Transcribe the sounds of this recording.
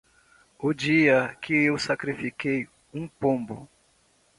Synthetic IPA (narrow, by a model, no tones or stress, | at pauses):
ʊd͡ʒiɐkɪewsakɾifikej | ũpõmbʊ̰